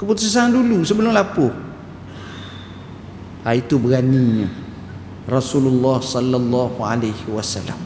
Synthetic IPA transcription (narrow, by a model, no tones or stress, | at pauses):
kɨbʊtʊsɪsaŋduluːsɪblõŋlapo | ajitobɨkanĩɲɨ | ɾasulʊlːɔːhsɔlːalːɔːhʊalejhɪwasalːa̰m